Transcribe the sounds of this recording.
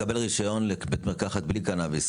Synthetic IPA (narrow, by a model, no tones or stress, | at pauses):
abe̞lʁiʃajo̞nlekbet̪meʁkaχat̪̚blikanavis